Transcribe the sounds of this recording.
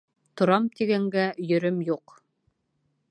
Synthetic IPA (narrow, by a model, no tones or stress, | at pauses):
t̪ŏɾɑmt̪iɡæŋɡæjɵ̆ɾɵmjuq